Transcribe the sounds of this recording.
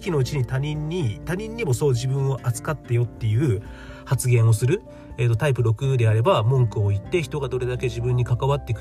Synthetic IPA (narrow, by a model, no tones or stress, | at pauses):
kʲino̞ɯ̟t͡ɕiɲ̟it̪aɲĩɲːit̪aɲ̟ĩɲ̟ːimo̞soːʑibɯ̟̃ɰ̃o̞ʔat͡sɨ̥kat̪ːe̞jo̞t̪ːe̞jɯ̟ː | hat͡sɨɡẽ̞ɰ̃o̞sɨɾɯ̟ | e̞ːt̪ot̪aip̬ɯ̟ɾo̞kɯ̟d̪e̞aɾe̞bamõ̞ŋkɯ̟o̞it̪ːe̞çi̥t̪oɡad̪o̞ɾe̞d̪ake̞ʑibɯ̃ɲ̟ːikakaβat̪ːe̞ik